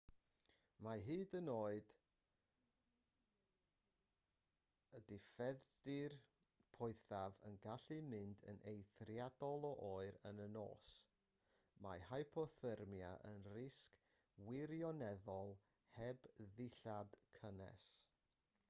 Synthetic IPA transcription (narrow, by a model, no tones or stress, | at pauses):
maɦɨːdənoːɨd̥ | ədɪfɛdɪr | pʰɔɨθavə̰nɡaɬɨmɪndə̰nʔejθrjadɔlˠɔʔoːɨɾənəno̰ːs | mahajpʰɔθərmja̰ʔənrɪsk | wɪɾjɔnɛðɔlˠ | hɛbðɪɬad̥kʰənɛ̰s